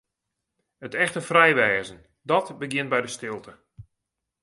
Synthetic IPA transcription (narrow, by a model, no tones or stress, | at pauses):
ətɛxtəfrɛjʋɛːzən | dɔtbəɡjɪn̚bɛjdəstɪlˠtʰə